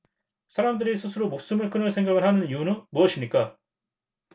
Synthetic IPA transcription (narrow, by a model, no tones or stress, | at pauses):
sʰaɾamdɯɾisʰusʰɯɾomok̚s͈ɯmɯɭk͈ɯnɯsʰe̞ŋɡaɡɯɭhanɯniunɯnmuʌɕʰimɲik͈a